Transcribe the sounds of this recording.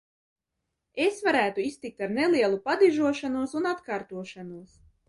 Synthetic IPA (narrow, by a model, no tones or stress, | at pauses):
esvaɾæːt̪uist̪ik̚t̪aɾnelˠiɛlˠupad̪iʒuɔʃanuɔsunat̪kaːɾt̪uɔʃanuɔs